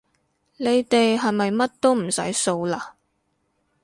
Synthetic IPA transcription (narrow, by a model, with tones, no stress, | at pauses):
ne˨˧jt̪e˨jɦɐ˨jmɐ˨jmɐ˥t̚t̪o˥wm̩˨˩sɐ̰˨˥jso˧wlaː˧